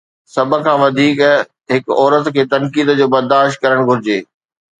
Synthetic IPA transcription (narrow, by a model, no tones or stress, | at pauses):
sɐbʱə̆kʰãːʋɐd̪ʱiːk | ɦɪkɔːɾət̪kʰeːt̪ɐnkiːd̪d͡ʑoːbɐɾd̪aːʃt̪̚kɐɾəɽ̃ɡʱʊɾɪd͡ʑeː